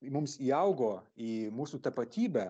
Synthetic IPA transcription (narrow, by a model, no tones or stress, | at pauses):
mʊmsiːɐʊɡoːiːmuːsuːt̪ɐpɐt̪ʲiːbʲæː